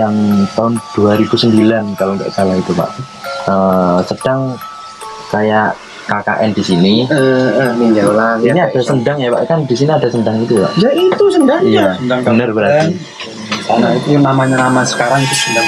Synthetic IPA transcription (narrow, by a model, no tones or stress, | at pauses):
jaŋt̪aɦʊnd̥uaɾibusəmbilankaloŋka̰ʔɡalait̪upa̰ʔ | əsəd̥aŋ | kajaʔ | kaka̰ʔɛ̰ndisiniənialaŋiniadasəndaŋjapa̰ʔkandisiniadasəndaŋit̪upa̰ʔd͡ʒait̪usəndaŋijaaŋbənərbəɾart̪i | anait̪namaɲanamasə̥kaɾaŋt̪usa